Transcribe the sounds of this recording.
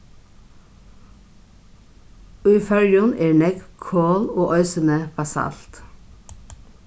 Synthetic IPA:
ʉːfœɹjʊnʔeːɳɛkkʰoːloːʔœʏsənəfɑsɑ̰lt̪

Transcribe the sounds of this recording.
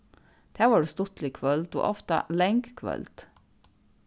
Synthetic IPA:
t̪ʰæːʋɑːɖʉːst̪ʊt̪lɪkʰʋœlt̪o̰ːʔɔft̪ɑ̰lɛŋɡkʰʋœ̰lt̪

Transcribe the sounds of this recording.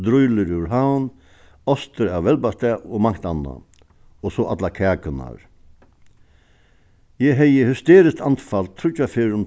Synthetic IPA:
d̪ɾʊjləɾʉɾɦawn | ɔst̪əɾaːʋʋɛlbast̪ɛːɔmaŋ̥t̪ana̰ | ɔsoʔat̪lakʰɛːkʰəna̰ɾ | jɛɦɛjəhʏst̪eːɾɪst̪ant̪falt̪ʰɾʊt͡ʃafɪɾʊn

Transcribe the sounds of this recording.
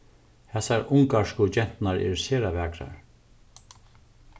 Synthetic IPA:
hɛsaɾʊŋkaʂkʊt͡ʃɛn̥t̪naɹɛ̰ɹseːɾaʋæːkɾa̰ɹ

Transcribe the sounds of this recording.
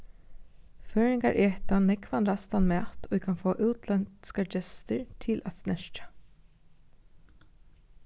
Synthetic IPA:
føːɹɪŋɡaɹʔeːht̪anɛkʋanɾast̪anmɛːt̪ɔɪkʰɑnfoːʔʉːt̪ʰlɛnt̪skad͡ʒɛst̪əɹt̪ʰɪlʔæt̪snɛʃt͡ʃḁ

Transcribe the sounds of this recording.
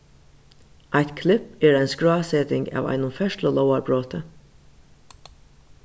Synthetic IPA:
ʔaɪt̪kʰlɪpeːɹæɪnskɹɑːsɛːt̪ɪŋɡa̰ːʋa̰ɪnʊmfɛʃʈləlɔʊaɹbɹoːt̪ə

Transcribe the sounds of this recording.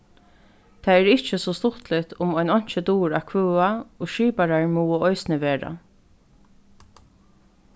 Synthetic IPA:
t̪ʰaɛɾɪht͡ʃːəsɔst̪ʊt̪lɪt̪ʊmɔjnɔɲ̥t͡ʃət̪uːɾakʰvœːaoːʃiːpaɾaɹmuːəɔjsnɪʋeːɹa̰

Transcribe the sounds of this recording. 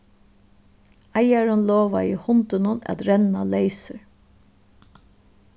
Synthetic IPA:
ajaɹənlɔːʋaihʊnt̪ənʊnæ̰t̪ɾɛnalejsəɹ

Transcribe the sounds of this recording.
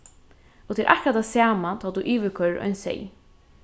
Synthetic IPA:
ɔt̪ʰɛːɾʔa̰hkɾat̪ʰaːsaːmat̪ʰɔːt̪uʔiːʋɪkʰœɹɔ̰jnsɛ̰j

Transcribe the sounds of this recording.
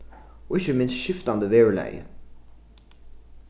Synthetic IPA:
wɪʃəmɪ̃nsʃɪftn̩ðəvɛɹlḛɪ

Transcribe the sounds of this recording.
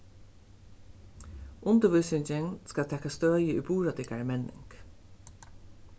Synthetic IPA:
ʔʊnt̪əʋʏsɪnt͡ʃɪŋskat̪ʰɛːkast̪œːjəubuːɹat̪ɪkaɹəmɛnɪ̰ŋk

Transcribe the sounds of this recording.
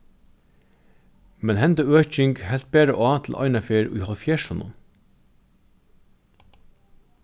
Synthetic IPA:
mɛnhɛnt̪əøːc͡çɪŋɡhɛlt̪̚beːɾəʔo̰ːɑːt̪ʰl̩ʔɑ̰ɪnɑfeːɹḭːhɔlfjeːʃʊnʊ̰n

